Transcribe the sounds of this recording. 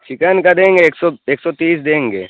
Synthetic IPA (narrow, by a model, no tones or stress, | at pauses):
t͡ʃɪkankad̪ẽːŋɡeːksɔeːksɔt̪iːs̬d̪ẽːŋɡeː